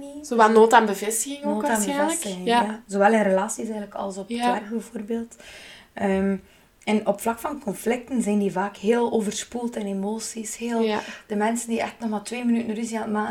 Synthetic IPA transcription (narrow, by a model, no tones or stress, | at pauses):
zoʋɛlnoːtanbəvɪstəɣɪŋonːoːtanbəɛvɪlsətɪxɪjazoːʋɛlˠɪnrəlaːsisɛːɣənləkɑ̰lˠsɔpətʋɛrɣbəvoːrbeːlˠt | əːm | ɛnɔpflɑkfɑnkɔnflɪk̚tənzɛjndivaːkheːlˠoːvərspulˠtɛnemoːsisheːlˠd̥əmɛnsəndiɛxtnɔxmaːltweːmənytn̩ryziatma